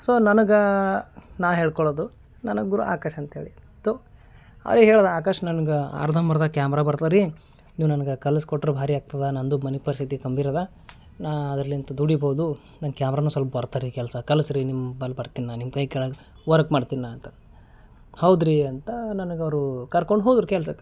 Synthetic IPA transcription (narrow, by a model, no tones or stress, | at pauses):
soːnɐnɐɡɐ | naːwɦeːɭkɔɭoːd̪u | nɐnɐɡɡuɾṵa̰ːkɐʃɐnt̪ɐɦeːɭi | soː | ɐ̰ɾiɦeːɭod̪aːkɐʂɐnɐnɐɡɐa̰ːɾd̪ʱɐmɐɾɐd̪ɐkjaːmɾaːbɐɾt̪aːɾi | niːʋnɐnɐɡekɐlɐskoʈːɐɾubʱaːɾiaːɡ̚t̪ɐd̪ɐnɐnd̪umɐnik̚pɐɾisit̪ikɐmbiɾɐd̪a | naːɐd̪ɾɐlːiɐnt̪ɐd̪uɽiboːd̪u | nɐnkjaːmɾaːnuːsɐlpɐbɐɾt̪aːɾikɛlsɐkɐlɐsɾinimːbɐlːbɐɾt̪inːanimkɐjkɛɭɐ | ʋɐɾɐkmaːɖt̪inːaːnt̪ɐ | hɐwd̪ɾiɐnt̪ɐnɐnɐɡɐʋɾukɐɾkoɳɖɦoːd̪ɾukɛlsɐ